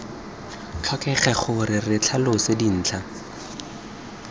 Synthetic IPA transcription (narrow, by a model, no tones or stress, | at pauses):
t͡ɬʰɔkɛχɛχʊrɪrɪt͡ɬʰalʊsɪdin̩ːt͡ɬʰa